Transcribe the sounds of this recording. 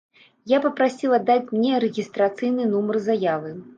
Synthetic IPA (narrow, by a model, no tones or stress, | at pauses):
japɐpɾasʲilˠad̪ːat͡sʲmnʲɛɾɛɣʲist̪ɾat̪sɨjnɨnumɐrzajavɨ